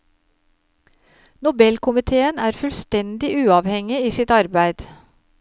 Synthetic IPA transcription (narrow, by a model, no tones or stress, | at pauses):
nʊbɛlkʰʊmɪt̪ʰeːənæːɾfʉlst̪ɛnd̪ɪʔʉːɑːʋhɛŋɪiːsɪt̪ɑɾbæɪd̪̥